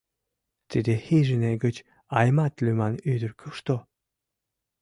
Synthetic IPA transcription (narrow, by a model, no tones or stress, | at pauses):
t̪ed̪ʲehiʒəneɡət͡ɕ | ajmat̪lʲymanyd̪əɾkʰəʃt̪o